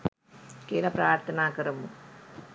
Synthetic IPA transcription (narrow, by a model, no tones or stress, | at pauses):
keːlɐpɾaːɾt̪ʰɐnaːkɐɾɐmu